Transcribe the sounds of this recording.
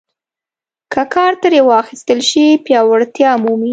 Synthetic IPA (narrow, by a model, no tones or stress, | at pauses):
kəkʰɑɾt̪aɾewɑxist̪əlʃipjɑwaɽt̪jɑmumi